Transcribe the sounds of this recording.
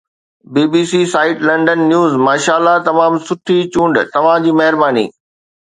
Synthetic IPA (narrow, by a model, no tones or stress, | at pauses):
biːbiːsisaːɪʈlɐ̃ɳɖənːjuːzmaːʃaːlːat̪ɐmaːmsʊʈʰit͡ɕũːɳɖt̪ɐʋ̤ãd͡ʑiːmɐɦɪɾbaːnḭː